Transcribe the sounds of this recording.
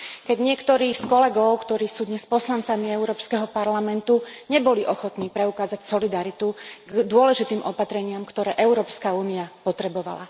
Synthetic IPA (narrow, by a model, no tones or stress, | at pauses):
kɛɟɲɪɛkt̪ɔɾiːxskɔlɛɡɔʊkt̪ɔɾiːsuːd̪ɲɛspɔslant͡samiɛʊɾɔːpskɛɦɔpaɾlamɛnt̪uɲɛbɔliʔɔxɔt̪niːpɾɛukaːzacsɔlid̪aɾit̪uɡd̪ʊɔlɛʒit̪iːmʔɔpat̪ɾɛɲɪamkt̪ɔɾɛːʔɛʊɾɔːpskauːniapɔt̪ɾɛbɔʋa̰la̰